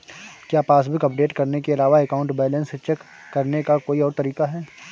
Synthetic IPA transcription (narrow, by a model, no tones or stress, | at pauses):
kjaːpaːsbɪkɐpɖeːʈkɐɾnekeɐlaːʋaekaːʊ̃ɳʈbɛːlə̃nst͡ʃɛkː | ɐɾnekakoːiɔːɾt̪ɐɾiːkaɦɛː